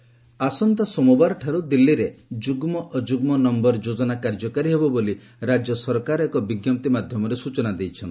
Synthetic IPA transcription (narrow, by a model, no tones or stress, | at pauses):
asɔnt̪asɔmɔbaɾɔʈʰaɾud̪ilːiɾed͡ʒuɡmɔʔɔd͡ʒuɡmɔnɔmbɔɾd͡ʒod͡ʒɔnakaɾd͡ʒɔkaɾiɦebɔboli | ɾad͡ʒjɔsɔɾkaɾekɔbiɡjɔm̚t̪imad̪ʱjɔmɔɾesut͡ʃɔnad̪ejt͡ʃʰɔnt̪ʰi